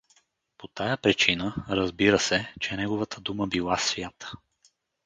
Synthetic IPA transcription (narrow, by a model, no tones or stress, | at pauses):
pot̪ajəpɾit͡ʃinəɾəzbiɾəsɛt͡ʃɛnɛɡovət̪ʰəd̪uməbilˠasvʲjat̪ə̥